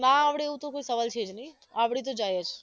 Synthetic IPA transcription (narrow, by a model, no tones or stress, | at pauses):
naːʋɽieʋũt̪okoisəʋalt͡ʃʰed͡ʒnəĩ | aʋɽit̪̬od͡ʒajet͡ʃʰ